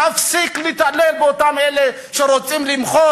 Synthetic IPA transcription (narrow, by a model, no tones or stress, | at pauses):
afsiklit̪alelbeotamele | ʃeʁot͡simlimχo